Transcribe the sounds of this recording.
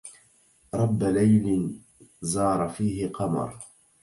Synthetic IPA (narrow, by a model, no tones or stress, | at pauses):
ɾˤɑbːalajlɪ | zɑːɾˤɑfiːɦɪqɑmɑ̰ɾˤ